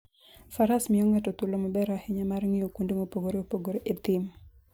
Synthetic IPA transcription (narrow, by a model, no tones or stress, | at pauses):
faɾasmɪoŋɛtɔt̪ulomɔbɛɾaheɲamarŋiokundeŋopoɡoɾeopoɡoɾeʔet̪ɪm